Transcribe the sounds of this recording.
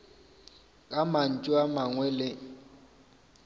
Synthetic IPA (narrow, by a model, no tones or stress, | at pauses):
kʼaman̩t͡ʃʼʊamaŋwɛlɪŋ̩